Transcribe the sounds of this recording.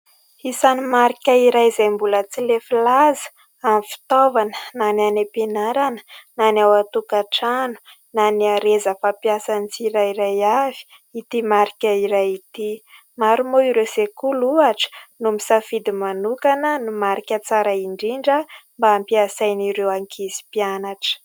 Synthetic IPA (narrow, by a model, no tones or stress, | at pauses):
isanimaɾikʲaiɾajzajmbulət͡silefilazə̥ | amifi̥t̪ovanənananepenaɾanə̥nanawat̪ukaʈ͡ʂanu̥ | naniaɾezəfapiasanit͡siɾaiɾajav̥i̥ | it̪imaɾikʲəiɾajit̪i | maɾumoiɾewsekuluaʈ͡ʂə̥numisafid̪imanukanənumaɾikʲət͡saɾaiɳɖ͡ʐiɳɖ͡ʐəmbaːmpiasajniɾewaŋkʰizi̥pianaʈ͡ʂə̥